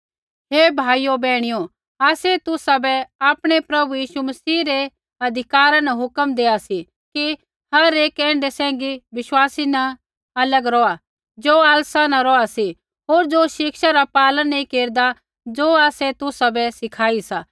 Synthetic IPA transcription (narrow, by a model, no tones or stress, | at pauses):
ɦeːbʱaːijobɛːɽ̃ijo | aːset̪ʊsabɛaːpɽ̃epɾɐbujiːʃumɐsiːɾe | ɐd̪ʱɪkaːɾãnɛɦʊkəmd̪eːasi | ki | hɐɾeːkɛ̃ːɳɖesɛ̃ːŋɡiʋɪʃwaːsinɛ | ɐləɡɾɔa | d͡zoːaːlsanãɾɔasi | ɦoːɾd͡zoʃɪkʃaɾapaːlənːĩkeːɾd̪a | d͡zoːaːsɛt̪ʊsabɛsɪkʰaːisaː